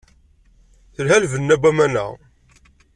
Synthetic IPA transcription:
θəlɦælvənːæbæmænæ̰

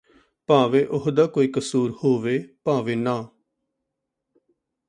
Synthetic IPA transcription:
paːʋeːʔʊɦd̪aːkoːiːkəsuːɾhoːʋeːpãːʋeːnãː

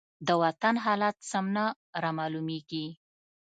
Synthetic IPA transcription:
d̪əwat̪anɦɑlat̪samna | ɾɑmɑlumeɡi

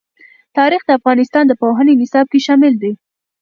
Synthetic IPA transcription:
t̪ɑɾixd̪əafɣɑnɪst̪ɑnd̪əpoɦənenɪsɑb̚keʃɑmɪld̪e

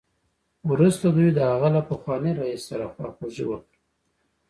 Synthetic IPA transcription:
wɾust̪ad̪ujd̪əhaɣalapəxwɑniɾaisːaɾaxwɑxuʒḭwəkɾi

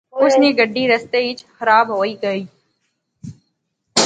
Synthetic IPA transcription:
ʊsneːɡəɖːiːɾəst̪eːɪt͡ʃxəɾaːbɦoːiːɡəiː

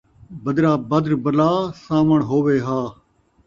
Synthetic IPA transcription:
bəd̪ɾaːbəd̪ɾbəlaːsaːməɳɦoːʋeːɦaː

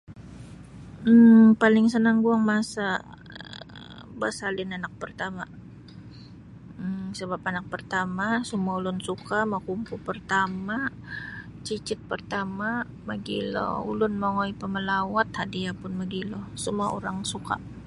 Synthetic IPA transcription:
palɪŋsənaŋɡuaŋmasa | bəsalɪnanak̚pərt̪ama | səbapanak̚pərt̪amasəmuaulʊnsukamakumpupərt̪ama | t͡ʃit͡ʃɪt̪̚pərt̪ama | maɡilɔ̰ṵlʊnmoŋoipəməlawat̪̚hadiapʊnmaɡilɔsəmuaoɾaŋsuka̰

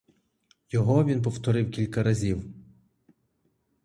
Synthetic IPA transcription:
jɔɦɔʋʲinp̬ɔwt̪ɔɾɪwkʲilʲkɐɾɐzʲiw

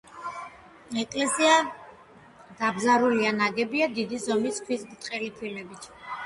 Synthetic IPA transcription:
ɛkʼlɛsia | d̪̥abzaɾulianaɡɛbiad̪id̪izɔmiskʰwisbt̪ʼqʼɛlipʰilɛbit̪ʰ

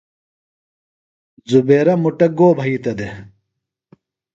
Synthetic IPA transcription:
zubeːɾɐmuʈɐɡoːbʱɐit̪ɐd̪e

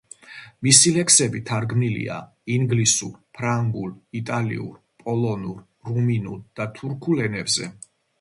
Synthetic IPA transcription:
misilɛkʰsɛbit̪ʰaɾɡmilḭa̰ | iŋɡlisuɾpʰɾaŋɡulit̪ʼalḭṵɾ | pʼɔlˠɔnuɾ | ɾuminuld̪̥at̪ʰuɾkʰulɛnɛbzɛ̰

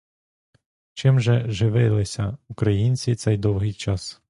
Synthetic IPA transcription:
t͡ʃɪmʒɛʒɪʋɪlˠɪsʲɐukɾɐjinʲt͡sʲit̪sɛjd̪ɔwɦɪjt͡ʃɑs

